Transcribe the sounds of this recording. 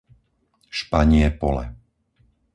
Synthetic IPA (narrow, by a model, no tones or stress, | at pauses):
ʃpaɲɪɛpɔlɛ̰